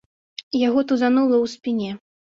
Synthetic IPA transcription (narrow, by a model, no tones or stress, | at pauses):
jaɣɔt̪uzanulˠɐwspʲinʲɛ